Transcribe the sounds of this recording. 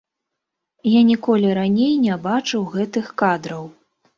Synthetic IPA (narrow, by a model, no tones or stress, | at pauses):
janʲikɔlʲiɾanʲejnʲabat͡ʂɨwɣɛt̪ɨxkad̪ɾɐw